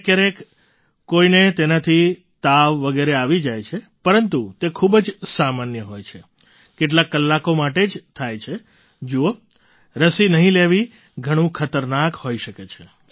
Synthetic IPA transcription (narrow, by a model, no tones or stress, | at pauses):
kəɾek | kːoinet̪enat̪ʰi | t̪aʋːəɡeɾeaʋid͡ʒajt͡ʃʰe | pəɾənt̪ut̪ekʰubd͡ʒsamanjəɦojt͡ʃʰe | keʈ̬lakːəlːakomaʈed͡ʒt̪ʰajt͡ʃʰe | d͡ʒuo | ɾəsinəɦĩleʋi | ɡʱəɽ̃ũkʰət̪əɾnakhoiʃəket͡ʃʰe